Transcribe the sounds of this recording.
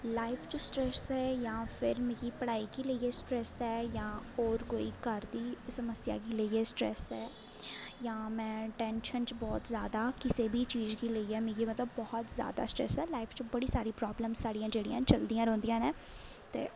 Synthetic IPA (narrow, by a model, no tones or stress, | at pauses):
laːɪpʰt͡ʃosʈɾɛːsɛːjãːpʰɪɾmẽːɡiːpəɽaːiːkiːləiːeːsʈɾɛːsɛːjãːɔːɾkoːḭːkəɾd̪iːsəməsja̰ːkiːləiːeːsʈɾɛ̰ːsɛː | jãːmɛ̃ːʈɛ̃ːnʃənt͡ʃbɔːt̪zjaːd̪aːkɪseːbʱiːt͡ʃiːd͡ʒkiːləiːɛːmẽːɡiːmət̪ləbːɔːt̪zja̰ːd̪a̰ːsʈɾɛ̰ːsɛːlaːɪpʰt͡ʃobəɽiːsaːɾiːpɾɔːbləmsːaːɖijãːd͡ʒeːɽijã̰ːt͡ʃəld̪ijãːɾɔ̃ːnd̪ijãːneː | t̪ḛː